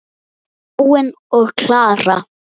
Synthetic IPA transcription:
wɪn | ɔɣkʰlaːra

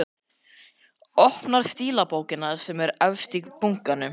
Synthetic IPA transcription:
ɔhpnaɾ̥st̪iːlapoːwcɪnːasɛmɛɾavst̪ikpuŋkanːʏ

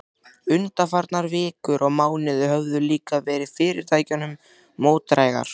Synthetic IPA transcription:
ʏnt̪afaɾt̪naɾvɪːkʏɾʔɔɣmaːwnɪðʏɦœvðʏliːkavɛːɾɪðfɪːɾɪɾ̥t̪ʰaːjcʏnʏmː | oːwt̪ɾaːjɣa̰ɾ̥

